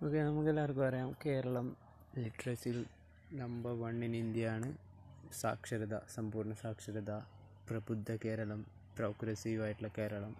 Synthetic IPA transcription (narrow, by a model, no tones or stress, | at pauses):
oːkːenɐmukːelːarkɨpɐrɐjaːmke̞ːɾɐɭɐm | liʈːrɐsil | nɐmbɐʋɐɳːinind̪jɐjaːɳɨ | sa̰ːkʂɐɾɐd̪ɐ̰sɐmpuːrɳɐsaːkʂɐɾɐd̪a | prɐbud̪ʱːɐke̞ːɾɐɭɐm | proːkɾɐsiːʋaːjiʈːilɐke̞ːɾɐɭɐm